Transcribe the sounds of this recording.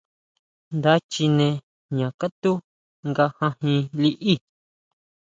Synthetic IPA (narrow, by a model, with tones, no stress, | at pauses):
nd̪a˦t͡ʃi˧nẽ˧ | ɲã˨ka˦t̪u˦ | ŋɡa˧hã˧hĩ˧li˦ʔi˦˨